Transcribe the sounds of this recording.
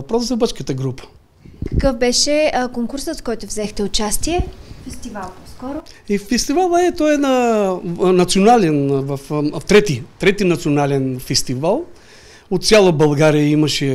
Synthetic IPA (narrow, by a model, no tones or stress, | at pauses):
ɐpɾɔs̬zɐbət͡ʃkət̪əɡɾupə̥ | kɐ̥kɤfbɛʃɛkoŋkuɾsət̪skɔjt̪ʊvzɛxt̪ɛʊt͡ʃast̪iɛfɛst̪ivalˠpɔskɔɾʊifɛst̪ivalˠəɛt̪ɔɛnɐ | nɐt̪sionalɛnvɐfft̪ɾɛt̪it̪ɾɛt̪inɐt̪sionalɛnfɛst̪ivalˠ | ot̪sʲjalˠəbɐlˠɡaɾijəimɐʃɛ